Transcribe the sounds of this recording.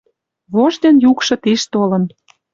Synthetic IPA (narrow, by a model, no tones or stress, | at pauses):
βoʒd̪ʲenjukʃɤ̆t̪iʃt̪olə̆n